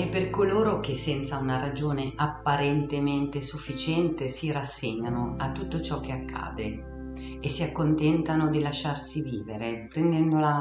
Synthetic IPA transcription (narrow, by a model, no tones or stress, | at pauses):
epːerkoloːɾok̟esːɛnt̪saunaɾad͡ʒoːneʔapːaɾent̪ement̪esufːit͡ʃɛnt̪esiɾasːeɲːanoat̪ːut̪ːot͡ʃɔk̟ːeakːa̰ːd̪e | esːiakːont̪ɛnt̪anod̪ilaʃːarsiviːveɾepɾend̪ɛnd̪ola